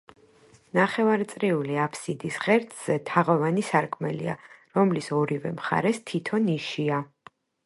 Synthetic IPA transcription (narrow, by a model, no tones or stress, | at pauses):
naχɛvaɾt̪sʼɾiuliapʰsid̪isʁɛɾt̪ʰʼz̥ɛt̪ʰaʁɔvanisaɾkʼmɛlḭa̰ɾɔmlisɔɾivɛ̰mχa̰ɾɛst̪ʰit̪ʰɔniʃia